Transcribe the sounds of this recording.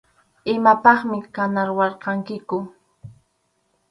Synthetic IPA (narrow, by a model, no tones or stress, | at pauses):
ɪmapɑχmɪkanaɾwɑɾqɑŋkɪkʊ